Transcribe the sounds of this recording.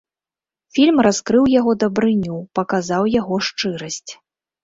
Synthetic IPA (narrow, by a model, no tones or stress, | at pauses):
fʲilʲmraskɾɨwjaɣɔd̪ɐbɾɨnʲupɐkazawjaɣɔʂt͡ʂɨɾɐsʲt͡sʲ